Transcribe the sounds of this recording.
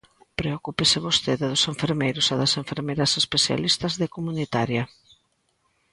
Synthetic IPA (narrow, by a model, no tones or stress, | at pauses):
pɾeokupesɪβost̪eðɪðʊseɱfeɾmejɾʊsaðɐseɱfeɾmejɾɐsespeθja̰list̪ɐzðekomunit̪aɾjɐ